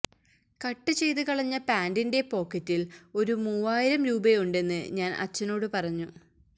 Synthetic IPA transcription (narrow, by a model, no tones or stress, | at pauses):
kɐʈːɨt͡ɕe̞jt̪ɨkɐɭɐɲːɐpaːndinde̞po̞ːkːɐtːilo̞ɾumuːaːjiɾɐmɾuːbɐjuɳɖe̞nːɨ̰ɲaːnʔɐ̰t͡ɕːɐno̞ːɽɨpɐrɐɲːu